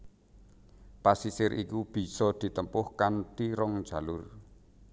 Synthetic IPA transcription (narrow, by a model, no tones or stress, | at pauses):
pasisɪɾʔikub̥i̤sɔd̪̥i̤t̪əmpʊhkant̪iɾɔŋd̥d͡ʒ̥a̤lʊr